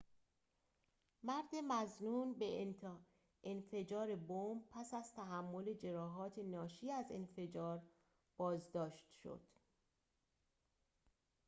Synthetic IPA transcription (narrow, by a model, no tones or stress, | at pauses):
mæɾd̪emæznuːnbe | enfe̞d͡ʒɒːɾe̞bomb̚pʰæsæz̥t̪ʰæɦæmːo̞le̞d͡ʒe̞ɾɒːɦɒːt̪ʰe̞nɒːʃiːæzenfe̞d͡ʒɒːɾ | b̥ɒːzd̪ɒːʃt̪ʃo̰d̪̥